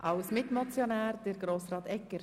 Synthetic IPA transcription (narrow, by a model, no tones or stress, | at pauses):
ʔɑwsmɪtmɔt͡sjonæːɾd̥ɛɾɡɾoːsɾɑːt̪ɛkːəɾ